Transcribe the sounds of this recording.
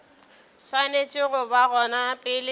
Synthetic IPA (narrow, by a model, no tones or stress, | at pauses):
swanet͡ʃʼɪɣʊbaɣɔnapʼɪlɪ